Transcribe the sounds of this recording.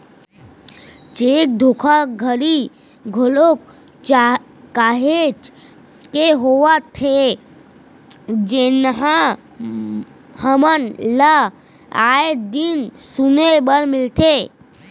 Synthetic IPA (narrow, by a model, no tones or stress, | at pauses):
t͡ʃeːk̚d̪ʱokʰaɡʱəɾi | ɡʱolok | t͡ʃː | aːɦet͡ʃ | keɦowat̪ʰe | d͡ʒenɦã | həmənla | aed̪ɪnsunebəɾmɪlt̪e